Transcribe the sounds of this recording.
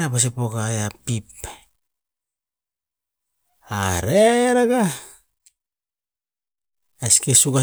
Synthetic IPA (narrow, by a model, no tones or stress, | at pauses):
apas̬epokajapip | a̰ɾeɾaɡa | asi̥kesuɡa